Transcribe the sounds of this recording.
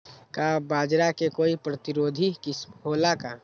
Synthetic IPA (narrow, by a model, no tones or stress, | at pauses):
kabaːd͡ʒɾakekoːipɾət̪ɪɾoːd̪ʱikɪsɦoːlaka